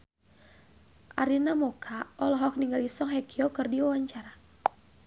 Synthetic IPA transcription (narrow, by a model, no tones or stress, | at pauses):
ʔa̰ɾinamɔkʰaʔɔlɔɦɔk̚niŋɡalisɔŋɦɛkiɔkɨrdiwawaɲt͡ʃaɾa